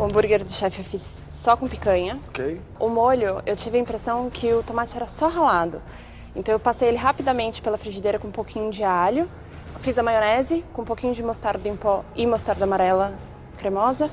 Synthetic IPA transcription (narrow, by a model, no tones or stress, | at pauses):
ʊɐ̃mbuɾɡeɾʊd̪ʊʃɛfɪewfisːɔkõpi̥kɐ̃ɲɐokej | ʊmoʎʊewt͡ʃivɪɐĩmpɾesɐ̃w̃kʰɪʊt̪õmat͡ʃɪɛɾɐsɔɦalad̪ʊ | ẽnt̪ɐ̃w̃ewpasejelɪɦapid̪ɐmẽnt͡ʃɪ̥pelɐfɾiʒid̪ejɾɐkõũpowkʰĩɲʊd͡ʒɪaʎʊ | fizɐmajonɛzɪkõũpokĩɲʊd͡ʒɪmost̪aɾd̪ʊĩpɔɪmost̪aɾd̪ɐamaɾɛlɐ | kɾemɔzɐ